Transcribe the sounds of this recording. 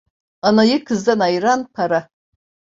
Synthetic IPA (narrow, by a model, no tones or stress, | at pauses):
ɑnajɯkʰɯzd̪anɑjɾanpʰɑɾa